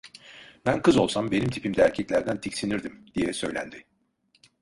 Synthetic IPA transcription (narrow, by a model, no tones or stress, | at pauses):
bænkʰɯzo̞lˠsambe̞nimt̪ʰipʰimd̪ɛæɾcʰɛclʲæɾd̪ænt̪ʰicsiniɾd̪imd̪̥ijɛsø̞jlʲæ̰nd̪ɪ